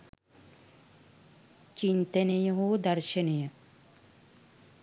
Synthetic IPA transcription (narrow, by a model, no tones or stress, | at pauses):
t͡ʃint̪ənejəɦoːd̪ɐɾʃɐnejə